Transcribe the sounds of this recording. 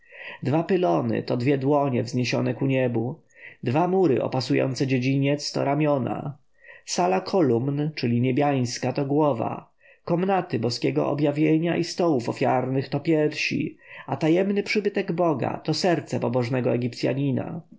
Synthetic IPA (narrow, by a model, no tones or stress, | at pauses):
d̪vapɘlɔnɘ̰t̪ɔd̪vʲjɛd̪wɔɲɛvzɲeɕɔ̰nɛkuɲɛbu | d̪vamuɾɘ̰ʔɔ̰pasujɔ̰nt̪sɛd͡ʑed͡ʑiɲɛt̪st̪ɔ̰ɾamʲjɔna̰ | salakʰɔlumnt͡ʂɘlʲiɲebʲjaj̃skat̪ɔɡwɔva̰ | kɔmnat̪ɘbɔskʲɛɡɔ̰ʔɔ̰bjavʲjeɲaʔist̪ɔwufɔfʲjaɾnɘxt̪ɔpʲjɛɾfɕḭat̪ajɛmnɘpʂɘbɘt̪ɛɡbɔɡa̰t̪ɔsɛɾt̪sɛpɔbɔʐnɛɡɔɛɡʲipt̪sʲja̰ɲina̰